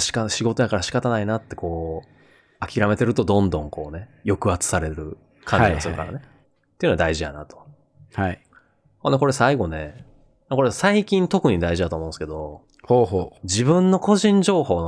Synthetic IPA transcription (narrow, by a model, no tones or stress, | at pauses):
ɕi̥kaɕiɡo̞t̪o̞jakaɾaɕi̥kat̪anainat̪ːe̞ko̞ː | akʲiɾame̞t̪e̞ɾɯ̟t̪o̞d̪õ̞nd̪õ̞ŋkʰo̞ːne̞jo̞kɯ̟at͡sɨ̥saɾe̞ɾɯ̟ | kʰãɲiasɨɾɯka̰ɾa̰ne̞ | t̪eiɯ̟noad̪aiʑija̰nat̪o̥ | hai | honeko̞ɾe̞saiɡo̞ne̞ | makoɾesaikʲĩnt̪o̞kɯ̟ɲ̟id̪aiʑid̪at̪oːmõ̞ːnsɨ̥ke̞d̪o̞ | hoɦod͡ʑibɯ̟̃nːo̞ko̞ʑĩɲ̟d͡ʑo̞ːho̞ːno